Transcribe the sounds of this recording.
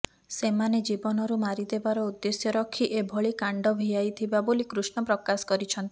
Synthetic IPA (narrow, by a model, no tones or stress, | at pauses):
semaned͡ʒibɔnɔɾumaɾid̪ebaɾɔud̪ːesjɔɾɔkʰːiʔebʱɔɭikaɳɖɔbʱijajt̪ʰibabolikɾusɳɔpɾɔkasɔ̥kɔɾit͡ʃʰɔnt̪i̥